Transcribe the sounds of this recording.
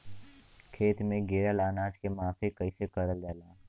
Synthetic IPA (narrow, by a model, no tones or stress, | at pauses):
kʰeːt̪mẽɡeːɾəlaːnaːd͡ʒkemaːfʰikəisekəɾəlɡɛːlaː